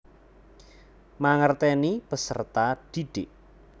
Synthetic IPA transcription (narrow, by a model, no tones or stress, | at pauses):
maŋərt̪ɛnipəsə̰rt̪ad̥iɖ̥ɪʔ